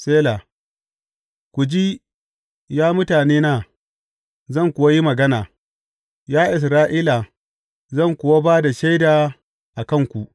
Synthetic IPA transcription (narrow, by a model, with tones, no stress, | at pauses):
seː˦la˨ | kʷu˨d͡ʒi˦ | jaː˦mʊ˦taː˨neː˦naː˦ | zɐ˦˨ŋkʷʊ˨wa˦ji˦mɐ˨ɡɐ˦naː˨ | jaː˦ʔɪ˨s̬ɾaː˦ʔiː˦la˨ | zɐ˦˨ŋkʷʊ˨wa˦baː˦da˨ʃa˦jdaː˨ | ʔa˨kɐ˦ŋkʷu˨ʔ